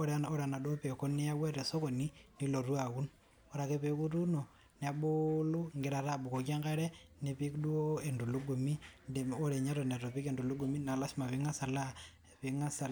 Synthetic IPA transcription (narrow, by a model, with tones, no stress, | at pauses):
o˦ɾao˦ɾa˨na˨do˦pe˨ko˦ne˦ja˦we˦ɾe˨so˦ko˨ni˦ni˦lo˨rwa˨ɣu˦n | o˨ɾa˨ke˦pe˨ku˦tu˦no˨ | n˨a˨bo˦lu˦ŋɡe˦ɾa˨ɾa˨bu˨ko˨k̬ja˦ŋɡa˦ɾe˦ | ne˨pi˦kdu˦o˦e˨ndu˨lu˦ɡu˨mi˦nde˨o˦ɾe˨ɲa˦ɾo˨ne˨ɾo˨pi˦ke˨ndu˨lu˦ɡu˨mi˦na˨la˦si˦ma˨βi˦ŋa˦sa˨la˦ | βi˨ŋa˦sa˨